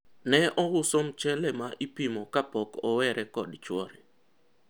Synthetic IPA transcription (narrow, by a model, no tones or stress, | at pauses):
nɛʔɔwʊsɔmt͡ʃɛlɛmaʔipimɔkapɔkɔwɛɾʔɛkɔdt͡ʃwɔɾɛ